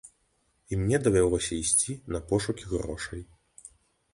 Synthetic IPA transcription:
imnʲɛd̪ɐvʲɛlˠɔsʲɐisʲt͡sʲinɐpɔʂukʲiɣrɔʂɐj

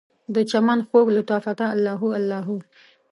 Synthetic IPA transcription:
d̪ət͡ʃamanxoɡlat̪ɑfat̪aːlːɑɦualːɑɦu

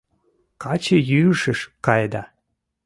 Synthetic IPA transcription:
kɑt͡ɕəjyʃəʃkɑjd̪ɑ

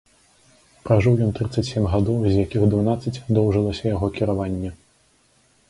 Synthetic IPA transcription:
pɾaʐɨwjɔnt̪ɾɨt̪sːɐt͡sʲsʲemʲɣad̪ɔwzʲjakʲiɣd̪vunat̪sːɐt͡sʲd̪ɔwʐɨlˠɐsʲɐjaɣɔkʲiɾavanʲːɛ

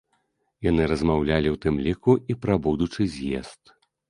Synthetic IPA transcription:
janɨɾɐzmawlʲalʲiwt̪ɨmlʲikuʔipɾɐbud̪ut͡ʂɨzʲjḛst̪

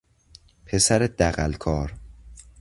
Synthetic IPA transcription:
pʰe̞sæɾed̪̥æɣælkʰɒːɾ

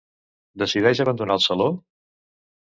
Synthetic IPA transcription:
d̪əsiðɛʒəβənd̪unaəlˠsəlo

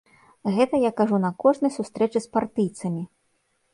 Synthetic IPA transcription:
ɣɛt̪ɐjakaʐunɐkɔʐnɐjsust̪ɾɛt͡ʂɨspart̪ɨjt̪sɐmʲi

